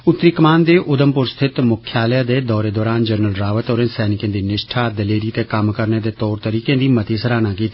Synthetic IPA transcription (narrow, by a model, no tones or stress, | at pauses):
ʊt̪ːɾiːkəmaːnd̪eːʔʔʊd̪əmpʊɾst̪ʰɪt̪mʊkʰːjaːljad̪eːd̪ɔːɾeːd̪ɔːɾaːnd͡ʒəɾnəlɾaːʋət̪oːɾẽnsɛːnɪkẽːd̪iːnɪʃʈʰaːd̪əleːɾiːt̪eːkəmkəɾneːd̪eːt̪ɔːɾt̪əɾiːkẽːd̪iːmət̪iːsəɾaːnaːkiːt̪aː